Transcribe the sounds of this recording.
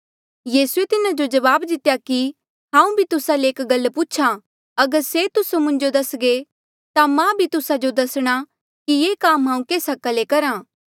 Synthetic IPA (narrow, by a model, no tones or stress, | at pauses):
jiːsuet̪ɪnad͡ʒod͡ʒɐʋaːbd̪ɪt̪jaki | ɦãːũbʱit̪ʊsaleːkɡɐlːpuːt͡ʃʰa | ɐɡəɾset̪ʊsomʊ̃ɲd͡ʒod̪ɐsɡe | t̪amãbʱit̪ʊsad͡ʒod̪ɐsɽ̃a | kijeːkaːmɦãːũkeːsɐkalekɐɾãː